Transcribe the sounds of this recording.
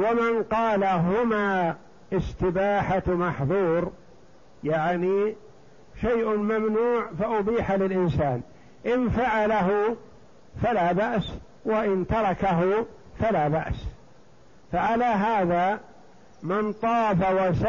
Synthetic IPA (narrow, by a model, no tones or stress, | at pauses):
wamɪnqɑːlaɦʊmaː | ʔɪst̪ɪbaːħamaħðˤuːɾ | jaʕni | ʃajʔmamnuːʕfaʔʊbiːħalɪlʔɪnsaːn | ʔɪnfaʕalaɦʊ | falaːbaʔs | waʔɪnt̪ɑɾˤɑkaɦʊ | falaːbaʔs | faʕalaːɦaːða | mɪnt̪ˤɑːfawasa